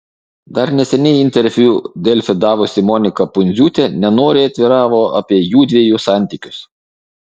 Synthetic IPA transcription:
d̪ɐɾnʲɛsʲɛnʲɛɪɪnʲt̪ʲɛɾʲʋʲuːd̪ʲɛlʲfʲɪd̪ɑːʋʊsʲɪmɔnʲɪkɐpʊnʲzʲuːt̪ʲɛnʲɛnoːɾʲɪɐt̪ʲʋʲɪɾɑːʋoːɐ̰pʲiɛjuːd̪ʲʋʲiɛjuːsɑˑnʲt̪ʲiːˑkʲʊs

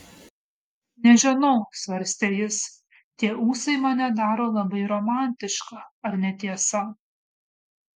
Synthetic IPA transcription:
nʲɛʒʲɪnɐʊsʋɐɾʲsʲt̪ʲeːjɪs | t̪ʲiɛuːsɐɪmɐnʲɛd̪ɑːɾoːlˠɐbɐɪɾɔmɑˑnʲt̪ʲɪʃkɑːɐɾnʲɛt̪ʲiɛsɐ

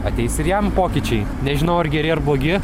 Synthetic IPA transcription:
ɐt̪ʲɛɪsɪɾjɛmpoːkʲɪt͡ʃʲɛɪ | nʲɛʒʲɪnɐʊɐrɡʲɛɾʲɪɐɾblˠoːɡʲɪ

